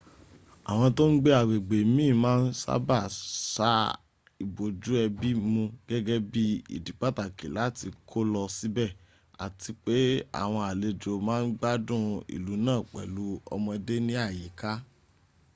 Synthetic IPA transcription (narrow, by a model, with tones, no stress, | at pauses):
a˨w̃ɔ̃˧to˦n̩˦ɡ͡be˦a˨ɡ͡be˨ɡ͡be˨mĩː˦˨mãː˦n̩˦sa̰˦ba˦˨sa˦ | i˨bo˨d͡ʒu˨˦ɛ˧bi˦mũ˧ɡ̥ɛ˦ɡɛ˦bi˦ḭ˨di˨k͡pa˦ta˦˨ke˨la˨˦ti˧kʰo˦lɔ˧si˦bɛ˦˨ | a̰˨ti˧k͡pe˦a̰˦˨w̃ɔ̃˧a˨le˧d͡ʒo˨mãː˦n̩˦ɡ͡ba˦dũ˦ḭ˨lu˨˦nãː˦˨k͡pɛ̰˨lu˨˦ɔ̰˧mɔ̃˧ɛ˧de˦nĩ˦a˦˨je˨ka˦